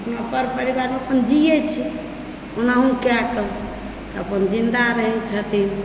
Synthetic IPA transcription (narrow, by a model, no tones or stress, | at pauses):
əpnapəɾpəɾibaɾmeəpənd͡ʒiɛt͡ʃʰi | onaɦũkjakə | t̪ɔəpənd͡ʒind̪aɾəɦɛt͡ʃʰət̪in